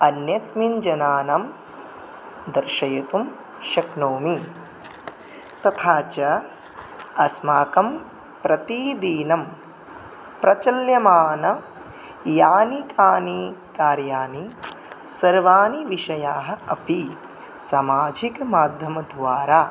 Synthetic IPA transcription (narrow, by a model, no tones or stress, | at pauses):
ɐnjɐsmind͡ʒɐnaːnɐm | d̪ɐɾʃɐjɐt̪um | ʃɐknoːmi | t̪ɐt̪ʰaːt͡ʃɐ | ɐsmaːkɐm | pɾɐt̪id̪iːnɐm | pɾɐt͡ʃɐljɐmaːnɐ | jaːnikaːnikaːɾjaːni | sɐɾʋaːniʋiʃɐjaːɦɐ̆ɐpi | sɐmaːd͡ʒikɐmaːd̪ʱjɐmɐd̪ʱʋaːɾaː